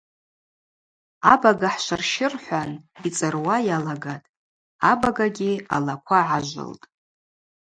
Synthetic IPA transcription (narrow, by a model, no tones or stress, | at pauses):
abaɡaħʃʷarʃɪrħʷanit͡sʼɨrwajalaɡatʼ | abaɡaɡʲialakʷʰaʕaʒʷɨ̰ltʼ